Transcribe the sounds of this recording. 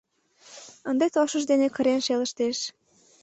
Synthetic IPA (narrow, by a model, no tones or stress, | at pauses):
ənd̪et̪oʃə̆ʒd̪enekə̆ɾenʃeləʃt̪eʃ